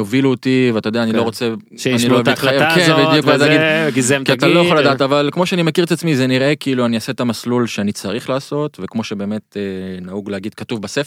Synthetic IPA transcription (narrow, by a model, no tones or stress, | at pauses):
oviluot̪iveat̪ajd̪eanilo̞ʁot͡se | ʃaniloavajakevejukvezeaɡidɡizekiat̪alojaχoladaːt̪avalkmo̞ʃeanimekiʁet̪at͡smizeniʁʔe̞kiːluaniase̞t̪amaslulʃeanit͡saʁiχlaːso̞t̪ve̞kmo̞ʃebe̞ːme̞t̪enauɡleaɡid̪̚katuvbasefe